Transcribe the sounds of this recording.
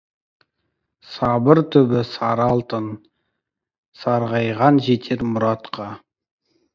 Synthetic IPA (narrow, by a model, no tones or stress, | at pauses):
sɑbəɾt̪ʰʏbɪsɑɾɑlˠt̪ən | sɑɾʁɑjʁɑnʒet̪ʰeɾmʊɾɑt̪qʰɑ